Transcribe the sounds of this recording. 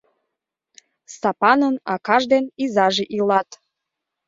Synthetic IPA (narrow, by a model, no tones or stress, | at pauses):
st̪ɑpɑnənɑkɑʒd̪enizɑʒeʔilɑt̪